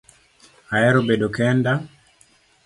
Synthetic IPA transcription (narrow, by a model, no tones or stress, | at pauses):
aɛɾobeɗokɛnda